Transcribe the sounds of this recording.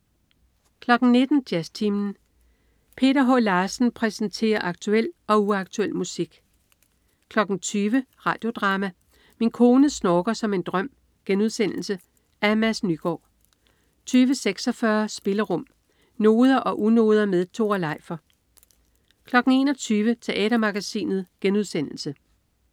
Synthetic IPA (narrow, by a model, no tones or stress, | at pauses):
kʰlɒ̽ɡ̥n̩ne̝d̥n̩d̥jæst͡sʰimn̩ | pʰe̝̰ːɾɐɦɔlɑ̈ːsn̩pʰʁɛsnt͡sʰe̝̰ːɐʔɑ̈ɡ̥̚t͡sʰuel̰ɒ̽uɑɡ̥t͡sʰuel̰musiɡ̥ | kʰlɒ̽ɡ̥n̩t͡sʰyːʋəʁɑ̈ːd̥jo̝d̥ʁɑ̈ːmæ | minkʰo̝ːnəsnɒːɡ̥ɐsɒ̽me̝nd̥ʁɶm̰ | ɡ̥enuð̞ˠsen̰l̩sə | æmæsnyɡ̥ɒ̰ː | t͡sʰyːʋəseɡ̥sɒ̽fɶɐsb̥e̝ləʁɔ̽m̰ | no̝ːð̞ˠɐʔɒ̽ʔuno̝̰ːð̞ˠɐmeðˠt͡sʰo̝̰ːɐlɑ̈ɪ̰fɐ | kʰlɒ̽ɡ̥n̩e̝ːnɒ̽t͡sʰyːʋət͡sʰe̝ʔɛ̰ːɾ̥ɐmɑ̈ɡ̥æsḭːnð̩ˠɡ̥enuðˠsen̰l̩sə